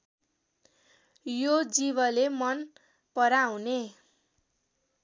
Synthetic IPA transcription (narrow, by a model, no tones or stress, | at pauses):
jod͡ziβʌlemʌn | pʌɾawne